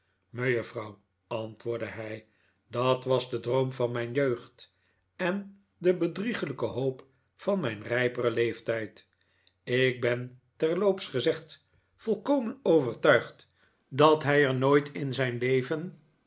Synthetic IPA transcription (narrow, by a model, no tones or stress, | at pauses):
məjəfrɑw | ɑntʋʊːɹdəɦɛj | dɑtʋɑzdədrowmvɑnmɛjnjøɥχt | ɛn | dəbədriχələkəɦowp | fɑnmɛjnrɛjpərəlejftɛjt | ɪk̚bɛn | tɛɹlowpsχəzɛχt | fɔlˠkowmənowvəɹtœɥχt | dɑtɦɛjəɹnoːjtʰɪnzɛjnlejvən